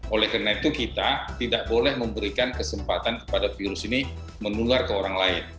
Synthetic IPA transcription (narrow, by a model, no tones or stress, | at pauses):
ʔolɛhkarnait̪ukit̪at̪idaʔbolɛhməmbəɾikankəsəmpat̪ankə̥padafiɾʊsini | mənularkəoɾaŋlaɪn